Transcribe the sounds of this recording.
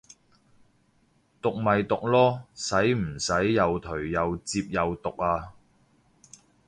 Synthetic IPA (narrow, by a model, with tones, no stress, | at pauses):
t̪ʊ˨k̚mɐ˨jt̪ʊ˨k̚lɔː˥sɐ˨˥jm̩˨˩sɐ˨˥jːɐ˨wt̪ʰɵ˨˩ɥjɐ˨wt͡siː˧p̚jɐ˨wt̪ʊ˨k̚aː˧